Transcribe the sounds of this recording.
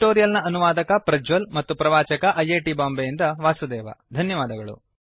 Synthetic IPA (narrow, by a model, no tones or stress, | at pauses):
ʈoːɾijɐlnɐʔɐnuʋaːd̪ɐkɐpɾɐd͡ʒʋɐlmɐt̪ːupɾɐʋaːt͡ʃɐkɐʔɐjeːʈibaːmbejind̪ɐʋaːsud̪ɛːʋɐ̰d̪ʱɐnjɐʋaːd̪ɐɡɐɭṵ